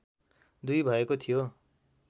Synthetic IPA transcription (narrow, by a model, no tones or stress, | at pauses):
d̪ujbʱʌekot̪ʰijo